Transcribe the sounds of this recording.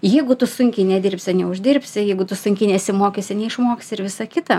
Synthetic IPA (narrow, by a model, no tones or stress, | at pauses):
jɛɪɡʊt̪ʊsʊŋʲkʲɛɪnʲɛd̪ʲɪrʲpʲsʲɪɐnʲɛʊʒʲd̪ʲɪrʲpʲsʲɪjɛɪɡʊt̪ʊsʊŋʲkʲɪnʲɛsʲɪmoːkʲesʲɪnʲɛɪʃmoːkʲesʲɪɾʋʲɪsɐkʲɪt̪ɐ